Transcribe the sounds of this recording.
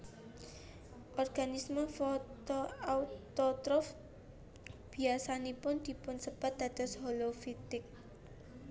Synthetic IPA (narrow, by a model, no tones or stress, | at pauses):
ʔɔrɡ̥anisməfɔt̪oaut̪ɔt̪ɾɔf | b̥i̤asanipʊnd̪̥i̤pʊnsəb̥at̪̚d̪̥a̤d̪̥ɔ̤shɔlofit̪ɪk̚